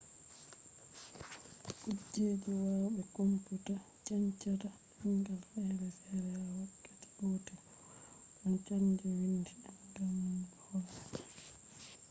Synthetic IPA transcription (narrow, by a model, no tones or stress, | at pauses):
kud͡ʒːeːd͡ʒiwaɓɛkomputa | t͡ʃaɲt͡ʃata | hiŋɡalhɛɾɛfɛɾɛawatːati̥ɡotɛ | ʔɔnt͡ʃand͡ʒiwindiɗɔdam | hɔl